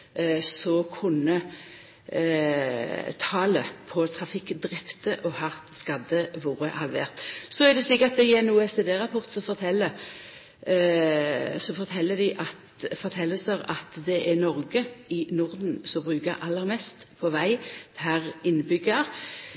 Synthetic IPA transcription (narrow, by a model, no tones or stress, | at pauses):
sɔkʰʊnə | t̪ʰɑːləpʰɔt̪ʰʁɑfɪkːd̪ʁɛpt̪əʔɔhɑʁt̪skɑd̪əʋuːɾəhɑlʋḛːʁt̪sɔæd̪ɛsliːkɑt̪̚d̪ɛɪɛnuːɛseːd̪eːʁɑpʰɔʁt̪sɔfɔt̪ʰɛlə | sɔfɔʁt̪ʰɛlːəd̪ɪʔɑt̪fɔt̪ʰɛlːəsəʁɑ̰t̪d̪ɛʔɛnɔʁɡəɪnʊʁd̪n̩sɔbʁʉːkəʔɑlːəʁmɛst̪pʰɔʋæɪpʰæʁɪnbʏɡəʁ